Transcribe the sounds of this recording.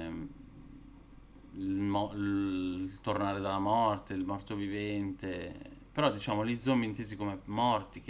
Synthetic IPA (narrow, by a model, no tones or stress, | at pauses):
ilmɔ | t̪ornaːɾed̪alːamɔrt̪eilmort̪ovivɛnt̪epeɾɔd̪it͡ʃaːmolid̪zomːiːnt̪eːzikomemɔrt̪ik